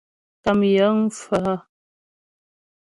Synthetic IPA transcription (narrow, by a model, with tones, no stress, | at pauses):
ta˨mjə˨˦ŋ˦fə˨ə˦